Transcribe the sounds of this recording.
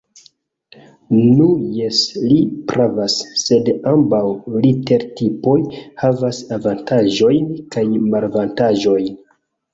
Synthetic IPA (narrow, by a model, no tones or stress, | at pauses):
nujeslipɾavasːe̞dambawlite̞ɾtipo̞jhavasavantʰaʒo̞jnkajmaɾvantaʒo̞jn